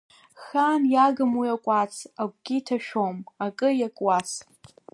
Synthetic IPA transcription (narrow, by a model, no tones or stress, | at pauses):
xanjaɡɨmwiakʷʼat͡sʰaɡʷɡʲitʰaʃᶣomakʼɨjakʼwas